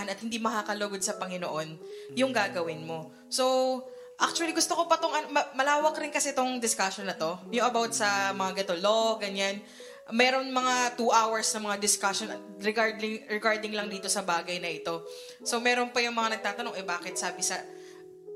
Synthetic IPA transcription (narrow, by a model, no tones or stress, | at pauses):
nɐt̪̚hɪnd̪imɐkaːkɐloɡod̪̚sɐpɐŋɪnoʔo̞njʊŋɡaːɡɐwɪnmo̞ | so̞w | ʔak̚t͡ʃʊɐliɡʊst̪okopɐt̪oŋʔɐnomɐmɐlaːwɐkɾɪnkɐsɛt̪oŋd̪ɪskaʃonːɐt̪o̞jʊŋʔɐbawt̪̚sɐmɐŋaɡɐt̪oloɡɐɲan | mɛːɾo̞nmɐŋat̪uːʔawɐɹsnɐmɐŋad̪ɪskaʃonɐt̪ | ɾɛɡaɹd̪ɪŋɹɛɡaɹd̪ɪŋlɐŋd̪iːt̪o̞sɐbaːɡɐjnɐʔɪt̪o̞ | so̞mɛːɾonpɐjʊŋmɐŋanɐɡ̚t̪aːt̪ɐnoŋʔɛbaːkɛt̪̚saːbɪsɐ